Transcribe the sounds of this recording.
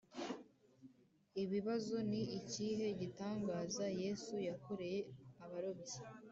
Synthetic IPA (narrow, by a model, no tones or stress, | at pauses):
iβiβazo̞niːciːɦe̞ɟitaːŋɡaːzaje̞sujakuɾejeaβaɾoβisḁ